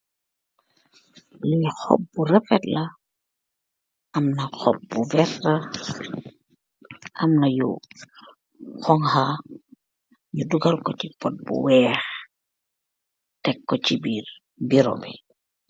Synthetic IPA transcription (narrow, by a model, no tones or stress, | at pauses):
lixɔ̰pːuɾɛfɛtla | ʔamnaxɔp̚ːuvɛtːa | ʔamnajṵ | xɔŋha | juduɡalkɔt͡ʃipɔt̚bṵwɛːx | tɛkːɔt͡ʃibiːɾ | biɾo̰bi